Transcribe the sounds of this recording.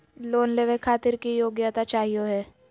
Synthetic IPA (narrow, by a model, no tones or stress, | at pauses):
loːnleʋẽkʰaːt̪ɪɾkijoːɡjat̪at͡ʃaːɦijoɦɛː